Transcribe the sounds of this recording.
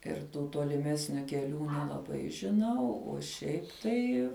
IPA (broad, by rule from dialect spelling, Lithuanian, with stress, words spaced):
ɪr ˈtuː toːlʲɪˈmʲæːsʲnʲʊ kʲɛˈlʲuː nʲɛlˠɐˈbɐɪ ʒʲɪˈnɐʊ oː ˈʃʲɛɪp tɐɪ